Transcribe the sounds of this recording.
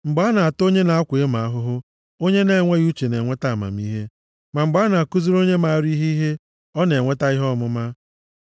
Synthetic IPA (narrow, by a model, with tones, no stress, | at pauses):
ŋ͡m̩˨ɡ͡ba˨˦na˨a˨to˦ɲe˦na˨a˦kʷʊ˨e˦ma˨a˦ɦʊ˦ɦʊ˦ | o˦ɲe˦ne˦˨ŋʷe˦ɣu˦t͡ʃe˨ne˨ŋʷe˦ta˦a˨ma̰˨m̩i˦ɦe˦ | ma˨ŋ͡m̩˨ɡ͡ba˦na˨a˨ku˦zu˦ɾo˦ɲe˦ma˨a˦ɾi˦ɦe˦ɦe˦ | ɔ˦ne˨ŋʷe˦ta˦i˦ɦɔ˦mʊ˦ma˦